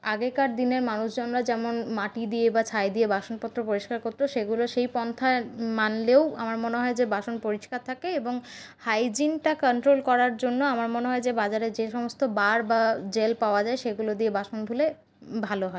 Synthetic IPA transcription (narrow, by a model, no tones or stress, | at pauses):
aɡekaɾ̚d̪ineɾmanuʃd͡ʑonɾad͡ʑɛmonmaʈid̪iebat͡ɕʰaed̪iebaʃonpɔt̪ːɾopoɾiʃkaɾkot̪ːɾoʃeɡuloʃejpɔnt̪ʰaemanleoamaɾmoneɦɔed͡ʑebaʃonpoɾiʃkaɾt̪ʰakeeboŋhajd͡ʑinʈakɔɳʈɾolkɔɾaɾd͡ʑonːoamaɾmoneɦɔed͡ʑebad͡ʑaɾeɾd͡ʑeʃɔmost̪obaɾbad͡ʑelpaoad͡ʑaeʃeɡulod̪iebaʃonbʱule | bʱaloɦɔe